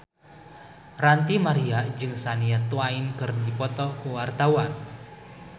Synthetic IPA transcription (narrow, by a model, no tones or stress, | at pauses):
rant̪imaɾiaʔd͡ʒɨŋsaniat̪uainkərnd̪ipɔt̪ɔkuwart̪auwan